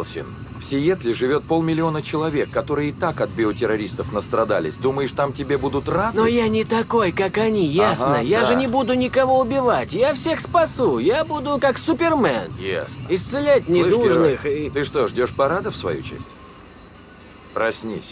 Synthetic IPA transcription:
lˠsʲɪ̰n | fsʲɪjet̪lʲɪʐɨvʲo̞t̪̚po̞lˠmʲɪlʲɪo̞nət͡ɕɪlˠɐvʲekːɐt̪o̞ɾɨjəɪt̪akɐt̪̚bʲɪotʲɪɾɐɾʲist̪əfnəst̪ɾɐd̪a̰lʲɪ̰sʲd̪uməjɪʂt̪amtʲɪbʲebud̪ʊt̪rad̪nojanʲɪt̪ɐko̞jkakɐnʲijasnəjaʐɨnʲɪbud̪ʊnʲɪkɐvo̞ʊbʲɪvatʲjafsʲe̞xspɐsujabud̪ʊkaksʊpʲɪrmɛ̰nja̰snəɪst̪sɨlʲæt̚ʲnʲɪuʐnɨxɪt̪ɨʂt̪oʐdʲo̞ʂpɐɾad̪əfsvɐ̰jṵt͡ɕḛsʲtʲ | pɾɐsʲnʲḭsʲ

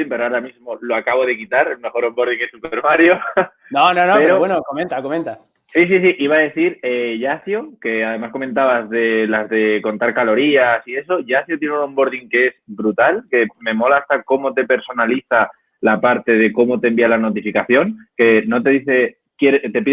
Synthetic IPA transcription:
impeɾoaɾamizmolo̞akaβo̞ðe̞kit̪aɾelme̞xo̞ɾo̞mbo̞ɾðiŋesupe̞ɾmaɾjo | nononpeɾoβwenokomẽnt̪akomẽnt̪a | sis̬is̬iʔiβaðe̞θiɾeʝaθjoke̞aðe̞masko̞mẽ̞nt̪aβazðe̞lazðe̞ko̞nt̪aɾkalo̞ɾiasie̞so̞ʝaθjot̪jeneuno̞mbo̞ɾðiŋke̞e̞zbɾut̪alke̞mẽ̞mo̞laːst̪ako̞mo̞t̪e̞pe̞ɾso̞naliθa | lapaɾt̪e̞ð̞e̞ko̞mo̞t̪e̞mbialano̞t̪ifikaθjo̞ŋke̞no̞t̪e̞ðiθe̞ | kje̞ɾet̪e̞pið

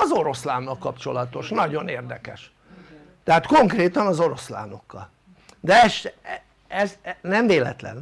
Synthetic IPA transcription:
ɒzo̞ɾo̞slaːnːɒlkɒpt͡ʃo̞lɒt̪o̞ʃnɒɟo̞neːrd̪ɛkɛʃ | t̪ɛɦaːt̪ko̞ŋkreːt̪ɒnɒzo̞ɾo̞sla̰ːno̞kːɒ̰l | d̪ɛɛʃɛ | ɛznɛɱveːlɛ̰t̪lɛ̰n

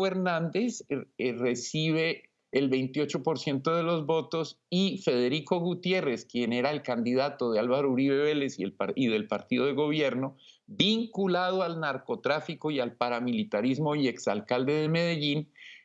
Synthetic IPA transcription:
eɾnand̪e̞sre̞siβ̞e̞ː | lbe̞jnt̪io̞t͡ʃo̞po̞ɾsje̞nt̪o̞ðe̞lo̞zbo̞t̪o̞s | ife̞ðe̞ɾiko̞ɣut̪je̞re̞skje̞ne̞ɾaelkand̪iðat̪o̞ðealβaɾouɾiβeβe̞le̞siepaiðe̞lpaɾt̪iðo̞ðe̞ɣo̞βje̞ɾno̞biŋkulað̞oalnaɾko̞t̪ɾafiko̞ialpaɾamilit̪aɾizmo̞ie̞ksalkald̪e̞ðemeðeʝin

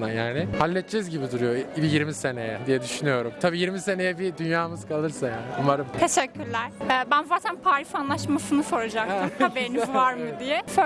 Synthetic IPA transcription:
d̪anjaːnɪhalʲːɛt̪̚t͡ʃɛzɟibid̪uɾujo̞bijiɾmise̞ne̞jɛd̪ijɛd̪yʃynyjo̞ɾumt̪ʰabiːjiɾmise̞nejɛbid̪ynjaːmɯzkʰalˠɯɾsajaːnɪumaɾɯmt̪ʰeʃɛcʰːyɾlʲæɾ̥ɛːbænvaːt̪ʰænpʰaːɾifanlˠaʃmasɯnɯfoɾad͡ʒak̚t̪ʰmhabeɾiniuvaɾmɯd̪ijɛfø

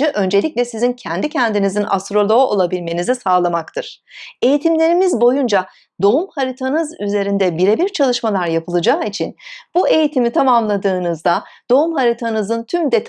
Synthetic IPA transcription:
ɯʔø̞nd͡ʒe̞lʲic̚lʲɛsizincʰɛnd̪icʰɛnd̪inizina̰st̪ɾo̞lˠo̞o̰lˠabilʲme̞nizisaːlˠamakt̪ʰɯɾ̥e̞jit̪ʰimlʲe̞ɾimizbo̞jund͡ʒa | d̪o̞umhaɾit̪ʰanɯzyze̞ɾind̪ɛbiɾebiɾt͡ʃʰalˠɯʃmalˠaɾjapʰɯlˠɯd͡ʒaːit͡ʃʰinb̥ue̞jit̪ʰimit̪ʰamamlˠad̪ɯːnɯzd̪ad̪̥o̞umhaɾit̪ʰanɯzɯnt̪ʰymd̪ɛt̪ʰ

